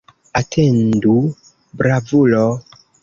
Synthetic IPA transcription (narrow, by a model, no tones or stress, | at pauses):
atʰendu | bɾavulo